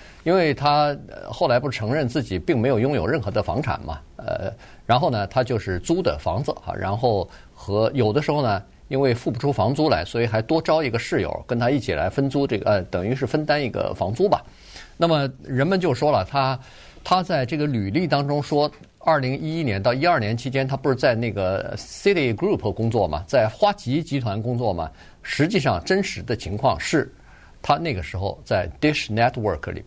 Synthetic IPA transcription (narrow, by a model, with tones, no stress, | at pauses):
i˥nwe˥˩ɪt̪ʰa˥ə̰˧xo˥˩ʊla˧˥ɪpu˥˩ʈ͡ʂʰɤ˧˥ŋɻə˥˧nt͡sɹ̩˥˩t͡ɕi˨˩pi˥˩ŋme˧˥ɪjo˨˩jʊ˥ŋjo˨˩ʊɻə˥˩nxɤ˧˥d̪ə˧fɑ̰˧˥ŋʈ͡ʂʰa̰˨˩nmɐ̰˧˩ | ə̰˧ | ɻa˧˥nxo˥˩ʊnə˩t̪ʰa˥t͡ɕjo˥˧ʊʂɻ̩˥˩t͡su˥d̪ə̰˨fɑ̰˧˥ŋd͡z̩˧ɐ̰˩ɻa̰˧˥nxo˥˩ʊ | xɤ˧˥jo˨˩ʊd̪ə˦ʂɻ̩˧˥xo˥˩ʊnə˩ | i˥nwe˥˧ɪfu˥˩pu˩ʈ͡ʂʰu˥fɑ˧˥ŋt͡su˥la˧˥ɪswɔ˧˥i˨˩xa˧˥ɪt̪wɔ˥ʈ͡ʂɑ˥ʊi˧˥ɡə˧ʂɻ̩˥˩jo̰˨˩ʊkə˥nt̪ʰa˥i˥˩t͡ɕʰi˨˩la̰˧˥ɪfə˥nt͡su˥ʈ͡ʂɤ˥˩ɡə̰˩˧t̪ɤ˨˩ŋy˧˥ʂɻ̩˥˩fə˥nt̪a˥ni˥˩ɡə̰˩fɑ̰˧˥ŋt͡su˥bɐ̰˨ | na˥˩mə˩ɻə˧˥nmə˨˧nt͡ɕjo˥˩ʊʂwɔ˥lə˨t̪ʰa˥ | t̪ʰa˥t͡sa˥˧ɪʈ͡ʂɤ˥˩ɡə˩ly˨˩li˥˩t̪ɑ˥ŋʈ͡ʂʊ˥ŋʂwɔ˥ | ɐ˞˥˩li˧˥ŋi˥i˥njɛ˧˥nt̪ɑ˥˩ʊi˥ɐ˞˥˩njɛ˧˥nt͡ɕʰi˥t͡ɕjɛ˥nt̪ʰa˥pu˧ʂɻ̩˥˧t͡sa˥˧ɪne˥˩ɡə˩si˥t̪i˥˩kɾu˥˩pʰkʊ˥ŋt͡swɔ˥˩mɐ̰˩t͡sa˥˩ɪxwa˥t͡ɕi˧˥t͡ɕi˧˥t̪ʰwa˧˥nkʊ˥ŋt͡swɔ˥˩mɐ̰˩ | ʂɻ̩˧˥t͡ɕi˥˧ʂɑ˥˩ŋʈ͡ʂə˥nʂɻ̩˧˥d̪ə˧t͡ɕʰi˧˥ŋkʰwɑ˥˧ŋʂɻ̩˥˩ | t̪ʰa˥ne˥˩ɪɡə˩ʂɻ̩˧˥xo̰˧ʊt͡sa˥˩ɪt̪i˥ʂnɛ˥t̪ʰwə˞˥˧˩kʰlḭ˨˩